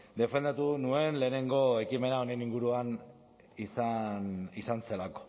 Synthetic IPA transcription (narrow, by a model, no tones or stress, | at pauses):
d̪e̞fe̞nd̪at̪unue̞nle̞ːne̞ŋɡo̞e̞kime̞nao̞neniŋɡuɾuan | isanisanse̞lako̞̥